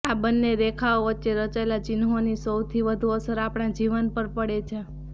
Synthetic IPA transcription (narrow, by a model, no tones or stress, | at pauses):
abənːeɾekʰaoʋətːʃeɾət͡ʃaelat͡ʃinɦonisəwt̪ʰiʋəd̪ʱuəsəɾapɽ̃ãd͡ʒiʋənpəɾpəɽet͡ʃʰe